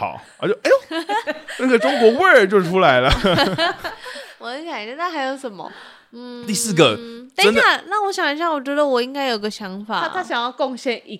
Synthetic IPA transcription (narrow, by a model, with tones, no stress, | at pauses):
ɑ̰˨˩˦ʊə̰˧˩t͡ɕjo˥˩ʔe˥˩ | na˥˩ɡə˩ʈ͡ʂʊ˥ŋkwɔ˧˥we˥˩ə˨˩t͡ɕjo˥˧ʊʈ͡ʂʰu˥la˧˥ɪlə˧ | wɔ˨˩nə˧˥ɕjɑ˨˩i˨˩ə˧nʰa˥˩xa˧˥ɪjo˧˥ʊʂə˨˩nmə̰˦˧ | n̩˥˩t̪i˥˧sɹ̩˥˩ɡə˩t̪a˥ə˥nd̪a˥˩na˥˩wɔ˦˥ɕjɑ˨˩ŋa˧˥ɕjɑ˥˩ŋwɔ˨˩t͡ɕɥɛ˧˥d̪ə˧˨wɔ˨˩i˧˥ŋka˥ɪjo˨˩i˧ɡə˧ɕjɑ˧˥ŋfa̰˨˩˥t̪ʰa˥ɕjɑ˨˩ŋjɑ˥˧ʊkʊ˥˧ŋɕjɛ˥˩ni˧˥